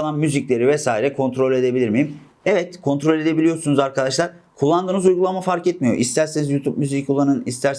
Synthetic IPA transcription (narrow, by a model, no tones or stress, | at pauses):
lˠanmyziclʲe̞ɾivɛsaːiɾɛkʰo̞nt̪ʰɾo̞lʲe̞d̪e̞bilʲiɾmejim | evɛt̪kʰo̞nt̪ɾo̞lʲe̞d̪e̞bilʲijo̞ɾsunuzaɾkʰad̪aʃlˠaɾ | kʰulˠːand̪ɯːnɯzujɡulˠamafaɾkɛt̪mijo̞̰ʔist̪ʰæɾsenizjuːt̪ʰup̚myziculˠanɯnist̪ʰæɾs